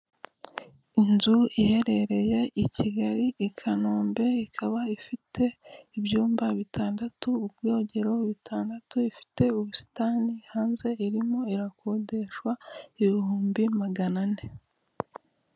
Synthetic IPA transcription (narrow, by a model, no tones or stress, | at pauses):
inzuihe̞ɾe̞ɾe̞je̞ʔiciɡaɾiʔikʰanoːmbe̞ikʰaβaifitʰe̞ibjuːmbaβitʰaːndatuːbɡo̞ːɟe̞ɾo̞βitʰaːndatuifi̥te̞uβusi̥taːnihaːnze̞iɾimo̞iɾakode̞ʃwaiβuhuːmbimaɡanane